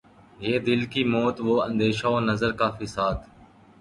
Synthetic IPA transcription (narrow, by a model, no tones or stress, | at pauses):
jeːd̪ɪlkiːmoːt̪ʋoːə̰̃nd̪eːʃaːoːnəzəɾkaːfɪsaːt̪ʰ